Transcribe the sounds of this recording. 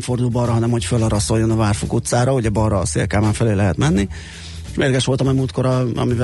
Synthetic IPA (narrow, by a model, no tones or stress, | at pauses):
mfo̞rd̪uːbɒrɒɦɒnɛmho̞cfølːɒɾɒso̞jːonɒvaːrfokut̪saːɾɒhoɟɒbɒrːɒsḛːlkaːmaːɱfɛleːlːɛɦɛt̪mɛnːi | ʃmeːlɛɡɛʃʋo̞lt̪ɒmɛmuːlt̪̚ko̞ɾɒɒ̰miv